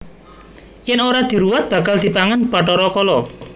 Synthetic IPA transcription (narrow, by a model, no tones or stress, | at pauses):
jɪnoɾad̪̥i̤ɾuwat̪̚b̥ä̤kald̪̥i̤paŋanbaʈɔɾɔkɔlɔ